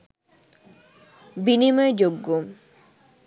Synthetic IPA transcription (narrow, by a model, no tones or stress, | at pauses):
binimɔed͡ʑoɡːo